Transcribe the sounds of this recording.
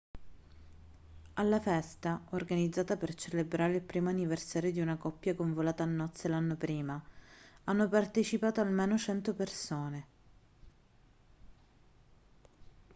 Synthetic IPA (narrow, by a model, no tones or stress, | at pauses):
alːafɛst̪aorɡanid̪zaːt̪apert͡ʃelebɾaːɾeilpɾiːmoanːiversaːɾjod̪iunakɔpːjakoɱvolaːt̪aːnːɔt̪sːelanːopɾiːmaanːopart̪et͡ʃipaːt̪oalmeːnot͡ʃɛnt̪opersoːne